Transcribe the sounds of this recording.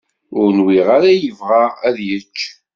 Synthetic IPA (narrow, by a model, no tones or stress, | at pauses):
ʊɾnwiʁaɾæjəvʁaʁæðjət͡ʃː